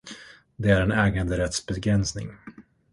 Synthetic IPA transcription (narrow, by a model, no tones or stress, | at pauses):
d̪ɛæɾɛnɛːɡand̪əɾɛt̪sbɛɡɾɛnsnɪ̰ŋ